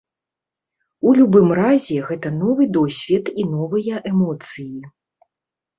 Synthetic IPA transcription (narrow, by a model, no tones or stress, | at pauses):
ulʲubɨmrazʲɛɣɛt̪ɐnɔvɨd̪ɔsʲvʲit̪inɔvɨjɐʔɛmɔt̪sɨji